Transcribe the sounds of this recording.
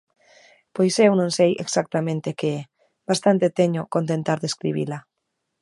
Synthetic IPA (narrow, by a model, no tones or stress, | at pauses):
pojsewnõnsejeksak̚t̪amẽnt̪ekee | bast̪ant̪et̪eɲokont̪ent̪aɾðeskɾiβ̞ḭla